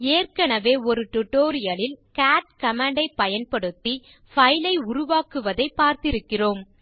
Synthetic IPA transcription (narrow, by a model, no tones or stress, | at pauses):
eːrkɐɳɐʋeːɔɾɯʈʊʈːoːɾɪjɐlɪlkaːʈ̚kɐmaːɳɖɐɪpːɐjɐnpɐɽɯt̪ːi | fɐjlɐɪʊɾʊʋaːkɯʋɐðɐɪpːaːɾt̪ɪɾɯkːɪroːm